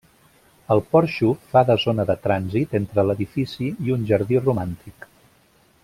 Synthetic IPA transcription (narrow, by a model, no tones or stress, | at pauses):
əlˠpɔɾʃufaðəzonəðət̪ɾanzit̪ent̪ɾələðifisiiunʲʒəɾðirumant̪ik